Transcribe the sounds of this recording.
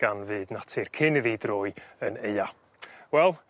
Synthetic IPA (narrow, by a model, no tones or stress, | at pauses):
ɡ̥anvɨːdnatʰɨrkʰɪnɨðidroːjəneja | wɛlˠ